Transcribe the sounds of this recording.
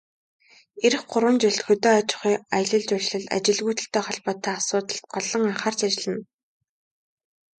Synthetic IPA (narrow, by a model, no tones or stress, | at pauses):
eɾɘ̆χɢʊɾwə̆nt͡ɕʊɮt̪xɵt̪eːat͡ɕɪ̥̆χiːaj̆ɮə̆ɮt͡ɕʊrɮɘ̆ɮa̰t͡ɕɪ̆ɮɣuːt̪ə̆ɬt̪eːχɔɮpɔːt̪ʰːæːasʊːt̪ə̆ɬt̪̚ɢɔɮɞ̆ŋaɴχaːrt͡ɕat͡ɕɪ̆ɮɘ̆n